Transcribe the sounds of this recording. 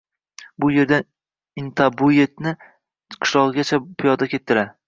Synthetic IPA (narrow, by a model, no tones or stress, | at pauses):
bʊje̞ɾd̪an | ɪnt̪ʰabʊjet̪̚nɪ | qʰɨ̥ʃlˠɒʁɡʲat͡ʃʰapʰɪjɒd̪akʲʰe̞t̪ʰːɪɾa